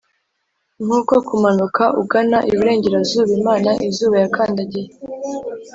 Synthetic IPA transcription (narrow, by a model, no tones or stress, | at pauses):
m̥uːko̞kumanukʰaʔṵɡanaʔiβiɾe̞ːɲɟe̞ɾazuːβimaːnaʔizuːβajakʰaːndaɟije